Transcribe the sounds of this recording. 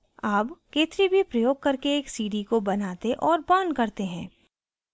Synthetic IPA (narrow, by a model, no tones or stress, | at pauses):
aːpkeːt̪ɾibʱipɾɐjoːɡ̚kɐɾkeːksiːɖikobɐnaːt̪eʔɔːɾbãːnkɐɾt̪eɦɛ̃ː